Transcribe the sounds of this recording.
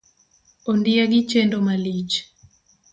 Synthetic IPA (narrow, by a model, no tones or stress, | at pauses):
ondiaɡit͡ʃendomalit͡ʃ